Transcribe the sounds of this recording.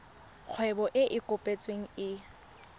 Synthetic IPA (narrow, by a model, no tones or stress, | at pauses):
q͡χʰwɛbɔʔɪʔɪkʼʊpʼet͡sʼweŋ̩ɪ